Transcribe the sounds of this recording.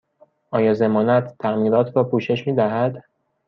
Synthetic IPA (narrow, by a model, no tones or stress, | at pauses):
ʔɒːjɒːze̞mɒːnæt̪ːʰæmiːɾɒːt̪ʰɾɒːpʰuːʃe̞ʃmiːd̪æɦæd̪